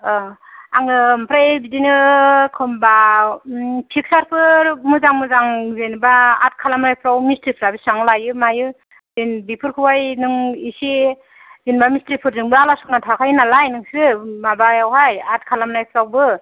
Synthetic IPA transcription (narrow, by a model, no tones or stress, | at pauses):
aŋɯmpʰɾaebidinɯkʰɯmba | pʰik̚saɾpʰɯɾmɯzaŋmɯzaŋzenbaːt̚kʰalamnajpʰɾawmistɾipʰɾabisaŋlajɯmajɯ | zenbipʰɯɾkʰɯwajnɯŋisi | zinbamistɾipʰɯɾzɯŋbɯalasɔk̚natʰakʰajnalajnɯŋsɯmabajawɦajat̚kʰalamnajpʰɾawbɯ